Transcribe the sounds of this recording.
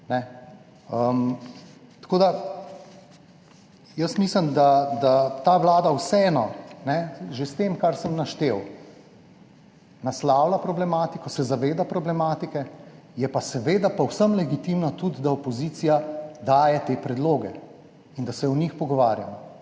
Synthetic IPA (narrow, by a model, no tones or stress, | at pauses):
nɛ | əm | t̪ḁkoːd̪a | jəsmisləmd̪ad̪at̪aʋlaːd̪awsɛɛːnɔnɛʒest̪emkaɾsəmnaʃt̪ew | naslaːwlapɾɔblɛmaːt̪ikɔsɛzaʋeːd̪apɾɔblɛmaːt̪ikɛ | jɛpasɛʋeːd̪apɔwsəmlɛɡit̪imnat̪ud̪d̪aɔpɔzit̪sijad̪aːjɛt̪eːpɾɛd̪loːɡɛ | ind̪asɛɔnixpɔɡɔʋaːɾja̰mɔ